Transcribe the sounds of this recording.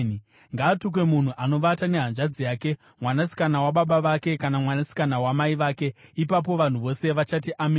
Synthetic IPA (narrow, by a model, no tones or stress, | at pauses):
ŋɡaːtuk̬we̞mun̤uʔano̞ʋatane̞ɦanʐad͡zijaːke̞ | mwanasi̥kanawaɓaɓaʋake̞kanamwanasi̥kanawamaiʋaːke̞ipap̬o̞ʋan̤uʋo̞se̞ʋat͡ʃatiʔame